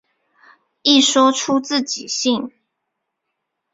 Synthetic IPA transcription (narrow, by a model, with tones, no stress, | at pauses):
i˥˨ʂwɔ˥ʈ͡ʂʰu˦t͡sɹ̩˥˨t͡ɕi˨˩ɕi˥˨ŋ